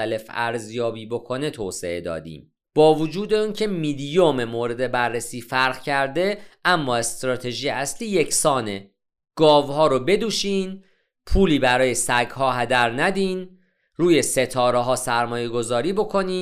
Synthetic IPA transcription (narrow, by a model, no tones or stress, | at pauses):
æle̞fæ̰ɾzjɒːbiːbo̞kʰo̞ne̞t̪ʰoːse̞̰e̞d̪ɒ̰ːd̪ḭːm | b̥ɒːvod͡ʒuːd̪euːncʰe̞miːd̪ijomemoːɾe̞d̪e̞bærːesiːfæɾɣcʰæɾd̪e̞ʔæmːɒːe̞st̪ɾɒːt̪ʰe̞ʒijeæsliːje̞cʰsɒːne̞ | ɡ̥ɒːvhɒːɾobe̞d̪uːʃiːn | pʰuːliːbæɾɒːje̞sæɡɦɒːɦæd̪æɾnæd̪iːn | ruːje̞se̞t̪ʰɒːɾeɦɒːsæɾmɒːje̞ɡo̞zɒːɾiːbo̞kʰo̞niː